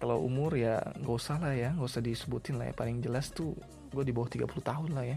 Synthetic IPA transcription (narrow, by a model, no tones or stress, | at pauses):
kalawṵmʊrja̰ŋɡosalahjaŋɡosadisəbut̪ɪnla̰hja̰pa̰lɪŋd͡ʒəlast̪u | ɡuadibawaht̪iɡapuluht̪aɦʊnlahja